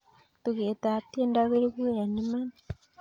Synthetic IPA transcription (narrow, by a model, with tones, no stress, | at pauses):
tuɣe˨ta˨t̪i˦e˦ndaβe˦ɾi˦βwe˦ja˨ni˦ma˦n